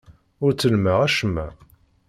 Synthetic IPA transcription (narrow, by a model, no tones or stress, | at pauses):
ʊɾt͡sːəlmæʁæʃəmːæ̰